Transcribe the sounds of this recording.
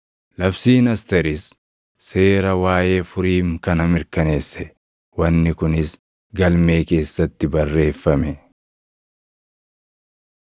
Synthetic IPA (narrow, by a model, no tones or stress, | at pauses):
lɐbsiːnɐst̪ɛɾɪsː | e̞ːɾɐwaːje̞ːfʊɾiːŋkɐnɐmɪɾkɐne̞ːsːɛ | wɐnːɪkʊnɪs | ɡɐlme̞ːke̞ːsːɐt̪ːɪbɐrːe̞ːfːɐmɛ